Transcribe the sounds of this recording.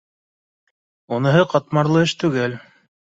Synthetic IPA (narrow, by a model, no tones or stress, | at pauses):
unɤ̆ɦɤqɑt̪mɑɾlˠɤ̆ɘʃt̪ʉɡæl